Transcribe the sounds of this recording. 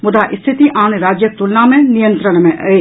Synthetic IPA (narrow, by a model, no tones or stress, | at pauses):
mʊd̪aːʔɪst̪ʰit̪iʔaːneɾaːd͡ʒjək̚t̪ʊlnamẽnijə̃nt̪ɾəɳ̃mẽʔɐe